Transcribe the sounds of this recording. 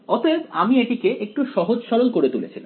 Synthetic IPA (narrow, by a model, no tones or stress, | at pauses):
ɔt̪et̪amieʈikeʔek̚ʈuʃɔɦod͡ʑʃɔɾolkoɾet̪ulḛt͡ɕʰila̰mm